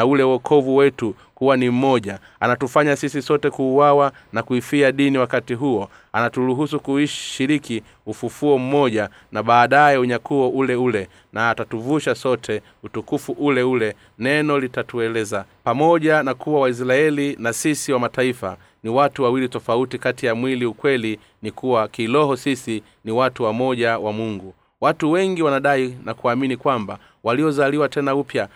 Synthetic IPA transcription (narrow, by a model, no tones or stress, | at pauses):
naulɛwɔkʰɔvuwɛtu | kuwanim̩mɔʄa | anatufaɲasisisɔtɛkuːwawa | nakuifiaɗiniwakatiɦuɔ | anatuɾuɦusukuiʃʃiɾiki | ufufuɔm̩mɔʄa | naɓaːɗajɛuɲakuɔʔulɛulɛ | naːtatuvuʃasɔtʰɛ | utukufuʔulɛulɛ | nɛnɔlitatuɛlɛzapamɔʄanakuwawais̬ɾaɛlinasisiwamataifa̰ | niwatuwawilitɔfautikatijamwiliukwɛli | nikuwakilɔɦɔsisi | niwatuwamɔʄawamuŋɡu | watuwɛŋɡiwanaɗainakuaminikwamba | waliɔzaliwatɛnaupja